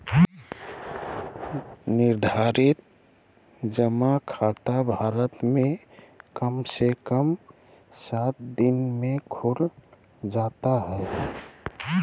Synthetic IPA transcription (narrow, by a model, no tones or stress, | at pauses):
nɪɾd̪ʱaɾɪt̪̚ | d͡ʒəmakʰaːt̪abʱaːɾət̪mẽ | kəmsekəm | sat̪̚d̪ɪnmẽkʰʊɾ | d͡ʒaːt̪aɦɛ